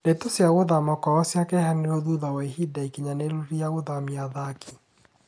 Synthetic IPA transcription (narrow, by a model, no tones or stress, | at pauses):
netosjaɣoðamɔkɔɔsjakɛɦaniɾoðuðawaiɦidaikiɲaneɾuɾijaɣoðamiaðakʰi̥